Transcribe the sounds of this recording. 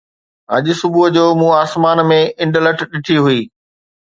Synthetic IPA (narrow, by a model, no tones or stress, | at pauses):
ɐʄʊ̆sʊbʊd͡ʑoːmũːaːsmaːnmẽɪ̃ɳɖələʈʰɗɪʈʰiɦʊiː